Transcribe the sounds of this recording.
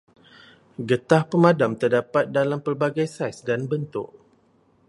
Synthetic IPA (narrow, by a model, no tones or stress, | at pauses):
ɡət̪ahpəmãdamt̪ərdapat̪̚dalampərbaɡajsajsdanbənt̪ʊ̰ʔ̚